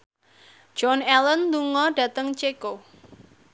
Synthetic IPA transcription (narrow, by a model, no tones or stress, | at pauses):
d̥d͡ʒ̥ɔnɛlənluŋɔɖ̥ä̤t̪əŋt͡ʃeko